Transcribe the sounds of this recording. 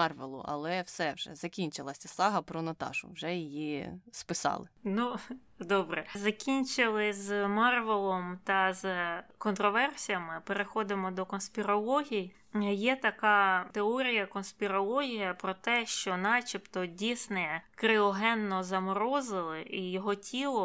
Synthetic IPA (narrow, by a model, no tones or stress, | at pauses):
ɑrʋelˠʊ̰ʔɐ̰lˠɛwsɛwʒɛ̰zɐkʲinʲt͡ʃɪlˠɐsʲɐsɑɦɐpɾɔnɐt̪ɑ̰ʒʊ̰wʒɛjɪjispɪsɑ̰lˠɪnu | d̪ɔbɾɛzɐkʲinʲt͡ʃɪlˠɪzmɑrʋelˠɔmt̪ɐzkɔnt̪ɾɔʋɛrsʲijɐmɪpeɾexɔd̪ɪmɔd̪ɔkɔnspʲɪɾɔlˠɔɦʲij | jɛt̪ɐkɑt̪eɔɾʲijɐkɔnspʲiɾɔlˠɔɦʲijɐpɾɔt̪ɛʃt͡ʃɔnɑt͡ʃʲipt̪ɔdʲijsnɛɛkɾɪɔɦɛnːɔzɐmɾɔzɪlˠɪʔijɔɦɔtʲʰilˠɔ